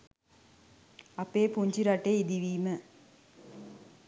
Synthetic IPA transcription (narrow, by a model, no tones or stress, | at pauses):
apeːpuɲt͡ʃiɾaʈeid̪iʋiːmə